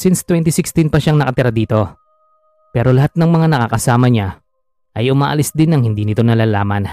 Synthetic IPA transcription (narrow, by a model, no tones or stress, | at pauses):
sɪnst̪wɛnt̪ɪsɪkst̪ɪnpɐʃaŋnɐkɐt̪ɪɾad̪iːt̪o̞ | pɛːɾo̞lɐhat̪̚nɐŋmɐŋanɐka̰kɐsaːmɐɲa | ʔɐjʔʊmaːʔɐlɪsd̪ɪnːɐŋhɪnd̪iːnɪt̪o̞nɐlaːlaːmɐn